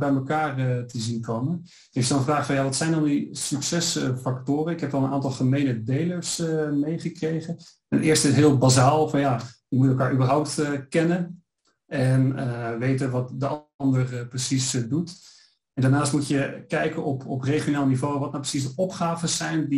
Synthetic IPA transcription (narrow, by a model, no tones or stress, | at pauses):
bɛjməkaːrətəzinkowmən | efdɔnəfraːχfɑnjaːʋɑtsɛjndɑndisyksɛsfaktʊːrənɪkɦɛpɔlˠənʔa̰ːntɑlˠχəmejnədejləɹsəmejχəkrejχən | ɛnʔɪːɹstɪtɦɪːlˠbazaːlˠfɑnjajəmutɛlˠkaːɹʔybəɹɦɔwp̚təkɛnən | ɛnəʋejtənʋɑtdəɑndərprəsisdut | ɛndaːɹnaːstmutjəkɛjkənɔpɔprejχionaːlˠənivowʋɑtnawprəsisdəʔɔpχaːvəsɛjndi